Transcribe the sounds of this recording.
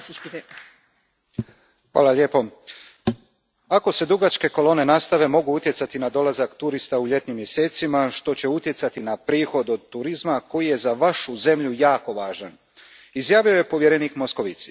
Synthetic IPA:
xʋa̰ːlˠaʎe̞ːpo̞ | ako̞se̞d̪uɡat͡ʃke̞ko̞lˠo̞ːne̞nast̪aʋe̞mo̞ɡuut̪je̞t̪sat̪inad̪o̞lazakt̪uɾist̪auʎe̞t̪nimːje̞se̞ːt̪simaʃt̪o̞t͡ɕe̞ut̪jesat̪inapɾiːxo̞d̪od̪t̪uɾizmako̞jije̞zaʋaʃuze̞mʎujaːko̞ʋaːʒan | izjaːʋio̞je̞po̞ʋjeɾeniːkmo̞sko̞ʋit̪si̥

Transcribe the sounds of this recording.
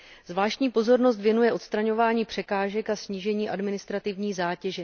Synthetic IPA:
zvlaːʃcɲiːpo̞zo̞ɾno̞st̪vjɛnujɛʔo̞t̪st̪ɾaɲo̞vaːɲiːpr̝̥ɛkaːʒɛkasɲiːʒɛɲiːʔadmɪnɪst̪ɾat̪ɪvɲiːzaːcɛʒɛ

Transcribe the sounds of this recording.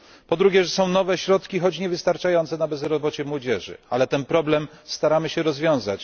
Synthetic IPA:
pɔd̪ɾuɡʲɛʐɛsɔ̃w̃nɔvɛɕɾɔt̪kʲixɔt͡ɕɲɛvɘst̪aɾt͡ʂajɔnt̪sɛnabɛzɾɔbɔt͡ɕɛmwɔd͡ʑɛʐɘ̰alɛt̪ɛnpɾɔblɛmst̪aɾamɘɕɛɾɔzvʲjɔ̃w̃zat͡ɕ

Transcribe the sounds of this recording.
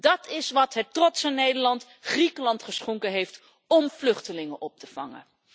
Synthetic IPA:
dɑtɪsʋɑtɦətrɔtsənejdəɹlɑnt | χrikəlɑntχəsχɔŋkəɦejft | ɔmflɵχtəlɪŋəʔɔp̚təv̥ɑŋə̰

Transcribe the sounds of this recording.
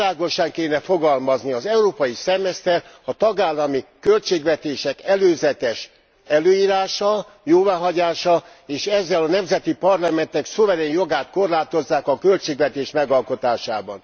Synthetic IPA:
aːɡo̞ʃɒŋkeːnɛfo̞ɡɒlmɒzniɒzɛuɾoːpɒjisɛmɛst̪ɛɾ | ɒt̪ɒɡaːlːɒmikø̞lt͡ʃeːɡvɛt̪eːʃɛkɛløːzɛt̪ɛʃ | ɛløːjiːɾaːʃɒ | joːvaːɦɒɟaːʃɒ | eːʃɛzːɛlɒnɛmzɛt̪ipɒrlɒmɛnt̪ɛksovɛɾeːɲjo̞ɡaːt̪ko̞rlaːt̪o̞zːaːkɒkø̞lt͡ʃeːɡvɛt̪eːʃmɛɡɒlko̞t̪aːʃaːbɒ̰n

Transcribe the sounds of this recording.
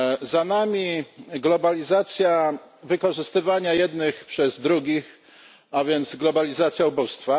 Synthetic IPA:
zanamʲiɡlɔbalʲizat̪sʲjavɘkɔʐɘst̪ɘvaɲajɛd̪nɘxpʂɛzd̪ɾuɡʲix | avʲjɛnt̪zɡlɔbalʲizat̪sʲjaubust̪fa

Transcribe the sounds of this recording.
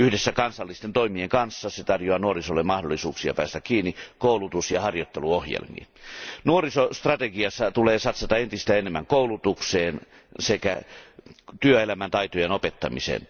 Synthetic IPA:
yhdesːækɑnsɑlːist̪ent̪oimieŋkɑnsːɑset̪ɑrjoɑnuorisolːemɑhdolːisuːksiɑ̰pæːst̪ækkiːnːikoˑulut̪usjɑhɑrjot̪ːeluohjḛlmḭːnnuorisost̪rɑt̪eɡiɑsːɑt̪uleːsɑt̪sɑt̪ɑent̪ist̪æenemːæŋkoˑulut̪ukseːn | sekæ̰ | t̪yøelæmænt̪ɑit̪ojenopet̪ːɑmḭsḛn

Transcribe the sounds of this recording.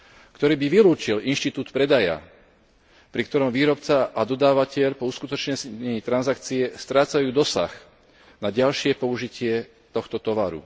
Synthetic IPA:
kt̪ɔɾiːbiʋiluːt͡ʃilinʃt̪it̪uːt̪pɾɛd̪aja̰ | pɾikt̪ɔɾɔmʋiːɾɔpt͡saʔad̪ɔd̪aːʋacɛʎpɔuskut̪ɔt͡ʃɲɛsɛɲit̪ɾanzakt͡siɛst̪ɾaːt͡sajuːd̪ɔsa̰x | naɟalʃɪɛpɔuʒicɪɛ | t̪ɔxt̪ɔt̪ɔʋaɾṵ

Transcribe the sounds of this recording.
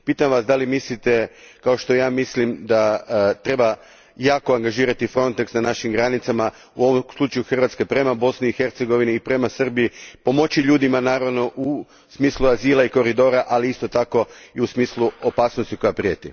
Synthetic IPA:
piːt̪amʋasd̪alimislit̪ekao̞ʃt̪o̞jaːmislimd̪at̪ɾe̞ba | jaːko̞aŋɡaʒiːɾat̪ifɾo̞nt̪eksnanaʃimɡɾanit̪sama | uo̞ʋomslˠut͡ʃajuxr̩ʋat̪ske̞pɾe̞mabo̞sniːxe̞ɾt̪seɡo̞ʋiniːpɾe̞masr̩bijipo̞mo̞t͡ɕiʎuːd̪imanaːɾaʋno̞ʔu | smiːslˠuaziːlˠaiko̞ɾid̪o̞ɾaʔaliist̪o̞t̪ako̞iusmiːslˠuopaːsnost̪iko̞japɾijet̪ḭ

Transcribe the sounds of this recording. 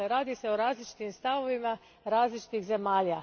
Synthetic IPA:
eɾaːd̪ise̞oɾaːzlit͡ʃi̥t̪imst̪aʋo̞ʋima | ɾaːzlit͡ʃi̥t̪ixze̞maːʎa

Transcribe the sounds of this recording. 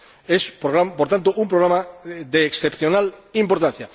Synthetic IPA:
espɣɾapoɾt̪ant̪oʔumpɾoɣ̞ɾamaðeːksθepθjonalimpoɾt̪ãn̟θja

